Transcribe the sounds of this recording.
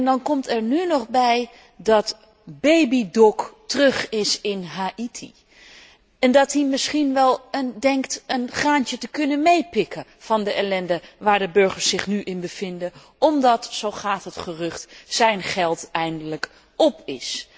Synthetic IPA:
ɛndɑnkɔmtɛɹnynɔχbɛj | dɑt | bejbidɔktərɵχɪsɪnɦaʔitʰḭ | ɛndɑtimɪsχinʋɛlˠəndɛŋktənχaːntətəkɵnənmejpɪkəv̥ɑndəʔɛlɛndəʋaːɹdəbɵɹχəɹsɪχnyʔɪnbəvɪndə | ɔmdɑtsowχaːtɦətχərɵχtsɛjnχɛlˠtɛjndələk | ɔpɪs

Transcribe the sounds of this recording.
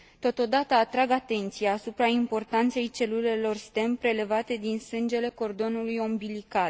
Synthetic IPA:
t̪o̞t̪o̞d̪at̪əːt̪ɾaɡat̪e̞nt̪sijaːsupɾaimpo̞rt̪ant̪se̞jt͡ʃe̞lule̞lo̞rst̪e̞mpɾe̞le̞vat̪e̞d̪insɨnd͡ʒe̞le̞ko̞rd̪o̞nulujo̞mbilikal

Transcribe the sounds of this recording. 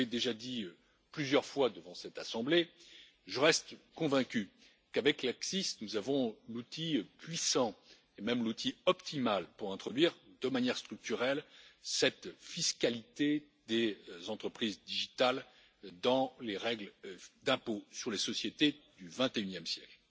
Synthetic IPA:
ed̪eʒad̪iø | plyzjœʁfwad̪əvɑ̃sɛt̪asɑ̃ble | ʒəʁɛst̪kɔ̃vɛ̃kʲy | kavɛklaksisnuzavɔ̃lut̪ʰipɥisɑ̃ | emɛmlut̪ʰiɔpt̪ʰimalpuʁɛ̃t̪χɔd̪ɥiʁd̪əmanjɛʁst̪χyk̚t̪yʁɛlsɛt̪fiskalit̪e | d̪ezɑ̃t̪χəpχizd̪iʒit̪al | d̪ɑ̃leʁɛɡld̪ɛ̃posyʁlesɔsjet̪ed̪yvɛ̃t̪eynjɛmsjɛkl

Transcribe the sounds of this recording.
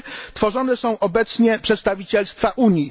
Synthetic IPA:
t̪fɔʐɔnɛsɔ̃w̃ʔɔbɛt̪sɲɛpʂɛt̪st̪avʲit͡ɕɛlst̪faʔuɲi

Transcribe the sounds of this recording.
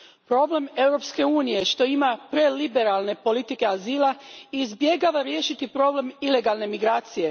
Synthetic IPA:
pɾo̞ble̞me̞wɾo̞pske̞uːnije̞ʃt̪o̞imapɾe̞libe̞ɾalˠne̞po̞lit̪ike̞aziːlˠaiːzbje̞ɡaːʋaɾje̞ʃit̪ipɾo̞ble̞mile̞ɡalˠne̞miɡɾaːt̪sije̞

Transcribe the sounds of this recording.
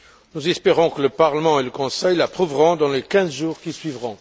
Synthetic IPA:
nuzɛspeʁɔ̃kələpaʁləmɑ̃eləkɔ̃sɛjlapχuvʁɔ̃d̪ɑ̃lekɛ̃zʒuːʁkisɥivʁɔ̃

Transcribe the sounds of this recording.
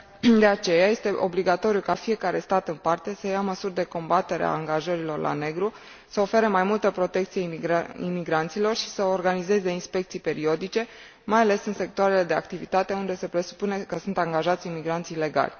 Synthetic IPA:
d̪e̞at͡ʃe̞jaje̞st̪e̞ʔobliɡat̪o̞ɾjukafije̞kaɾe̞st̪at̪ɨnpart̪e̞səjaməsurʲd̪e̞ko̞mbat̪e̞ɾea̰ːŋɡaʒəɾilo̞rlʔa̰ne̞ɡɾu | səo̞fe̞ɾemajmult̪əpɾo̞t̪e̞k̚t̪sieḭmiɡɾant̪silo̞rʃi̥səorɡanize̞ze̞inspe̞k̚t̪sijpe̞ɾio̞d̪it͡ʃe̞ | majale̞sɨnse̞k̚t̪oaɾe̞le̞d̪e̞a̰k̚t̪ivit̪at̪e̞und̪e̞se̞pɾe̞su̥pune̞kəsunt̪aŋɡaʒat̪sʲimiɡɾant̪sile̞ɡa̰lʲ

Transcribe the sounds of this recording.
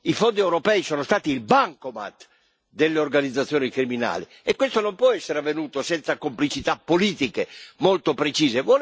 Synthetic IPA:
ifond̪iɛwɾopɛːisɔːnost̪aːt̪iːlbaŋkoma̰t̪ | d̪elːeorɡanid̪zːat̪sːjɔːnikɾimina̰ːlḭ | ɛkːwest̪onompwɔɛsːeɾeavːenuːt̪osɛnt̪sakomplit͡ʃit̪apːoliːt̪ikemolt̪opɾet͡ʃiːzevɔ

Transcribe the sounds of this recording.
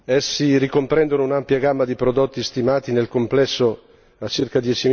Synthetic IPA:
ɛsːirikompɾɛnd̪onounampjaɡamːad̪ipɾod̪ot̪ːist̪imaːt̪inelkomplɛsːo | at͡ʃirkad̪jɛt͡ʃi

